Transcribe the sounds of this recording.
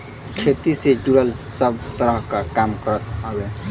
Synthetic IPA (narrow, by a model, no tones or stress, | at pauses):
kʰet̪ised͡ʒuɾəlsəbt̪əɾəɦkakamkəɾət̪əbe